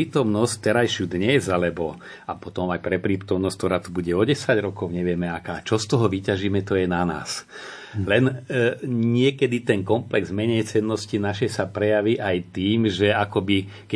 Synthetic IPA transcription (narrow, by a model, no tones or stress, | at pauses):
iːt̪ɔmnɔsct̪ɛɾajʃud̪ɲɛzalɛbɔ | apɔt̪ɔmajpɾɛpɾiːt̪ɔmnɔsct̪ɔɾaːt̪ubuɟɛɔɟɛsaɟɾɔkɔʊɲɛʋɪɛmɛakaːt͡ʃɔst̪ɔɦɔʋicaʒiːmɛt̪ɔjɛnana̰ːs | lɛn | ɲɪɛkɛd̪it̪ɛnkɔmplɛɡzmɛɲɛjt͡sɛnːɔscinaʃɛjsapɾɛjaʋiʔajt̪iːmʒɛakɔbi | kɛ